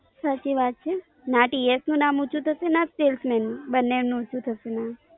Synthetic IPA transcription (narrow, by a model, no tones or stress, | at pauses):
sat͡ʃiʋat̪̚t͡ʃʰe | nãʈiesnũnamut͡ʃʰũt̪ʰəʃenãsʈelsmɛnũbənːemnũut͡ʃʰũt̪ʰəʃenã